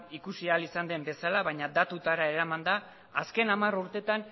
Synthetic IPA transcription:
ikusialisand̪e̞mbe̞salaβaɲad̪at̪ut̪aɾae̞ɾamand̪aː | ske̞namaruɾt̪e̞t̪an

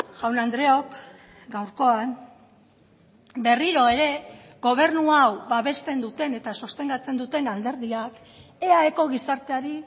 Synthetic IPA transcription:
ʝawnand̪ɾe̞o̞k | ɡawɾko̞an | be̞riɾo̞e̞ɾe̞ | ɣo̞β̞e̞ɾnuawbaβe̞st̪e̞nd̪ut̪e̞ne̞t̪asost̪e̞ŋɡat͡se̞nd̪ut̪e̞nald̪e̞ɾðiak | e̞aeko̞ɣisaɾt̪e̞aɾi

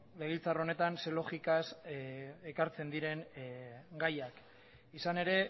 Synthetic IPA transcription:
le̞ɣ̞ilt͡saro̞ne̞t̪anselo̞xikas | ekaɾt͡se̞nd̪iɾe̞ŋ | ɡajak | isane̞ɾe̞

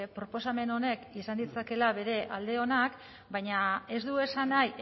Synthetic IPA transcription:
pɾo̞po̞s̬ame̞no̞ne̞kisand̪it͡sake̞laβe̞ɾe̞ʔald̪e̞o̞nak | bajɲae̞zd̪ue̞sanaj

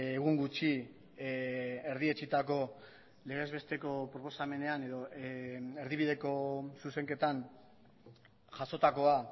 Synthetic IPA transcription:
eɣ̞uŋɡut͡ʃi | eɾðie̞t͡ʃit̪ako̞ | le̞ɣ̞e̞zβe̞st̪e̞ko̞pɾo̞po̞same̞ne̞ane̞ðo̞ | e̞ɾðiβiðe̞ko̞suse̞ŋke̞t̪an | ʝaso̞t̪ako̞a

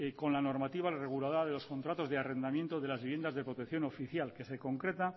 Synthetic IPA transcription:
ko̞nlano̞ɾmat̪iβareɣulaðoɾaðe̞lo̞sko̞nt̪ɾat̪o̞zðeare̞nd̪amje̞nt̪oðe̞lazβiβjend̪azðepɾo̞t̪ekθjo̞no̞fiθjalke̞se̞ko̞ŋkɾe̞t̪a

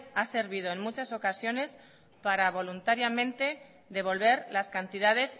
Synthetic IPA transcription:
ase̞ɾβ̞ið̞oe̞ŋmut͡ʃaso̞kasjo̞ne̞s | paɾaβ̞o̞lunt̪aɾjamẽ̞nt̪e̞ | ðe̞βo̞lβe̞ɾlaskant̪iðað̞e̞s

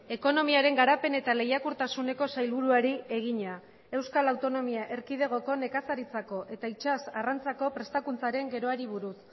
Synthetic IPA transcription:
e̞ko̞no̞miaɾe̞ŋɡaɾape̞ne̞t̪ale̞jakuɾt̪asune̞ko̞sajlβuɾuaɾieɣ̞iɲa | e̞wskalawt̪o̞no̞miaʔe̞ɾkið̞e̞ɣ̞o̞ko̞ne̞kasaɾit͡sako̞ʔe̞t̪ait͡ʃasarant͡sako̞pɾe̞st̪akunt͡saɾe̞ŋɡe̞ɾo̞aɾiβ̞uɾus

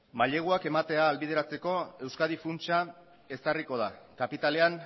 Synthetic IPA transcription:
maʎe̞ɣ̞uake̞mat̪e̞aːlβið̞eɾat͡se̞ko̞e̞wskað̞ifunt͡ʃa | e̞sariko̞ð̞akapit̪ale̞an

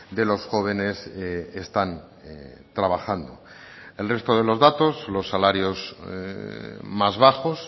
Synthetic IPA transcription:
d̪e̞lo̞sxo̞β̞e̞ne̞sest̪an | t̪ɾaβaxand̪o̞̰ | e̞lre̞st̪o̞ðe̞lo̞zðat̪o̞slo̞sːalaɾjo̞s | mazβaxo̞s

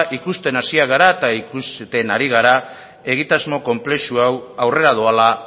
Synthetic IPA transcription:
ʔikust̪e̞nasiaɣaɾaet̪aikust̪e̞naɾiɣ̞aɾa | e̞ɣ̞it̪azmo̞ko̞mple̞suawawre̞ɾað̞oala

